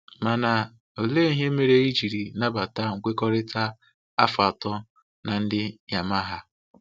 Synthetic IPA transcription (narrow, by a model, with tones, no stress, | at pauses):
ma˨na˨ | o˨le˦i˦ɦe˦me˨ɾe˦i˦d͡ʒi˨ɾi˨na˦ba˨ta˦ŋ̩˨kʷe˦kɔ˦ɾɪ˦ta˦ | a̰˦fa˨tɔ˦ | na˨n̩˦dɪ˦ja˨ma˦ɦa˦